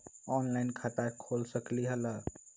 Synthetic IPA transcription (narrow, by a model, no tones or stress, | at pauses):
ɔnlaɪnkʰat̪akʰolsəkliɦələ